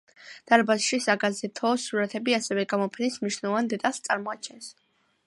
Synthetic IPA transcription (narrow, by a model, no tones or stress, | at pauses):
d̪̥aɾbazʃisaɡazɛt̪ʰɔːsuɾat̪ʰɛbiasɛvɛɡamɔpʰɛnismniʃnɛlˠɔvand̪ɛt̪ʼast̪sʼaɾmɔat͡ʃʰɛns